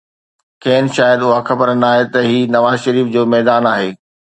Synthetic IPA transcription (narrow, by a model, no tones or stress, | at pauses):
kʰɛːn̆ʃaːjəd̪ʊɦaxɐpəɾənaːɦet̪ɐɦiːnɐʋaːzʃɐɾiːfd͡ʑoːmɛːd̪aːnaːɦeː